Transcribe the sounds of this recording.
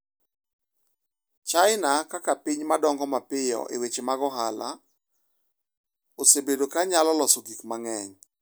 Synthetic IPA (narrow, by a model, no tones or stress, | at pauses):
t͡ʃaɪnakakapiɲmadɔŋɡɔmapɪjɔ̰ʔḛwet͡ʃemaɡɔɦala̰ | osebedokaɲalɔlɔsoɡikmaŋɛɲ